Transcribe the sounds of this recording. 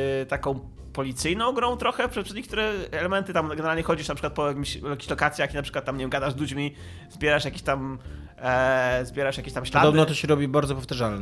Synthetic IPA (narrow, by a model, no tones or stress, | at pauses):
t̪akɔ̃w̃ | pɔlʲit̪sɘjnɔ̃w̃ɡɾɔ̃w̃t̪ɾɔxɛpʂɛt̪pʂɛsɲekt̪uɾɛːlɛmɛnt̪ɘt̪amɡɛnɛɾalɲɛxɔd͡ʑiʂnatpʂɘkwat̪̚pɔjak̬ʲimɕlakʲe̥ɕlɔkat̪sʲjakʲinapʂɘ̥kwat̪ːamɲevʲɛmɡad̪aʐzlud͡ʑmʲi | zbʲjɛɾaʂjakʲeɕt̪am | zbʲjɛɾaʂjakʲeɕt̪amɕlad̪ɔbnɔt̪ɔɕɛɾɔbʲibaɾd̪zɔpɔft̪aʐalnɛ